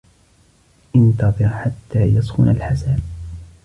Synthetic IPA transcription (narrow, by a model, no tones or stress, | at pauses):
ʔɪnt̪ɑðˤɨɾħat̪ːaːjɑsˤxʊnalħasaːb̚